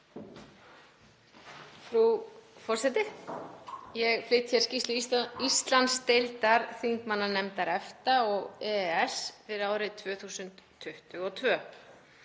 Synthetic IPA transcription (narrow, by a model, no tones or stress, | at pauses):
fɾufɔr̥sɛt̪ɪ | jɛɣflɪjt̪çɛɾscist̪lʏist̪lanst̪ejlt̪aɾθiŋkmanːanɛmt̪aɾɛft̪aɔɣɛɛsvɪðaːwɾɪt̪ʰvœːθuːsʏnt̪ʰːʏht̪ʏɣɔt̪ʰvœː